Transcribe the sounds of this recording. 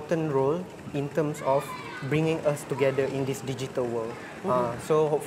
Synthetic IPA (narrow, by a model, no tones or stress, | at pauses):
tə̃nɹol | ĩntə̃msɔf | bɹĩŋĩŋʔastuɡɛdəʔĩndisdid͡ʒitəlwəld | asohop